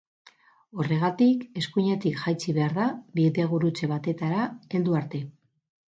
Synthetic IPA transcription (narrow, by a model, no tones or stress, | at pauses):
o̞re̞ɣat̪ike̞skuɲe̞t̪ikʝajt͡siβe̞aɾðaβiðeɣuɾut͡se̞β̞at̪e̞t̪aɾae̞ld̪uaɾt̪e̞